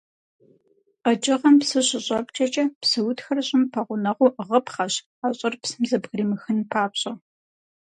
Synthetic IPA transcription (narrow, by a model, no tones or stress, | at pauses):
qɐt͡ʃʼɪʁɐmpsɨɕɪɕʼɐpt͡ʃʰʼɐt͡ʃʼɐpsɨwʊtxɐrɐɕʼɪmpʰɐʁʷʊnɐʁʷʊʔʁɐpχɐɕ | aːɕʼɐrpsɨmzɐbɣrimɨxɨnpʰaːpɕʼɐ